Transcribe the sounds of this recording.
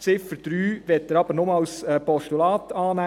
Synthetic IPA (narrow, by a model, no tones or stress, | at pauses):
t͡sɪfəɾd̥ɾyːʋɛt̪ːəɾɑb̥əɾnomlsɛːpɔʃtulɑːt̪ɑːnæ